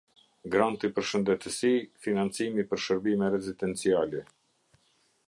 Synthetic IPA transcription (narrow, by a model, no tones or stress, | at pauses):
ɡɾant̪ipəɾʃənd̪ɛt̪əsifinant͡simipəɾʃəɾbimɛɾɛzid̪ɛnt͡sialɛ